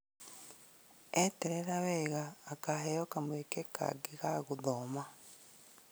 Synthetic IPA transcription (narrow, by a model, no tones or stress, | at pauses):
eteɾeɾaβeɣaːkahejokamwekeka̰ɡiɣaɣuðoma